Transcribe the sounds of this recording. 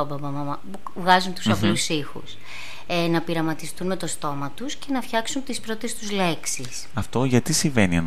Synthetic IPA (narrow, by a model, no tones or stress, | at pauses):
ɐbɐbɐmɐmɐp | vɣɐzunt̪u̥sɐplusixṵs | enɐpiɾɐmɐt̪ist̪unme̞t̪o̞st̪o̞mɐt̪usce̞nɐfçɐksunt̪ispɾo̞t̪e̞st̪uzle̞ksis | ɐft̪o̞ʝɐt̪isiɱve̞niɐn